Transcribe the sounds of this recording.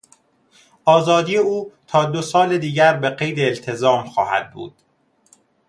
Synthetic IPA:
ʔɒːzɒːd̪ije̞uːt̪ʰɒːd̪osɒːled̪iːɟæɾbe̞ɢe̞jd̪eːlt̪ʰe̞zɒːmxɒ̰ːhæ̰d̪̚bṵːd̪̥

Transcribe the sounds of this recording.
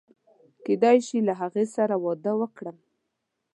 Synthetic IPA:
ked̪ɑjʃilaɦaɣesaɾawɑd̪əwəkɽəm

